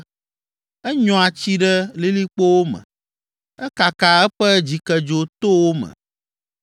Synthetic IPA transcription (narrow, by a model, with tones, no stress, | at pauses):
ɛ˦ɲɔ̃˨a˨t͡ɕi˦ɖɛ˦li˦li˦k͡po˦wo˦mɛ̰̃˨ | ɛ˦ka˨ka˨ɛ˦ɸɛ˦d͡ʑi˨kɛ˨d͡ʒo˦t̪o˦wo˦mɛ̰̃˨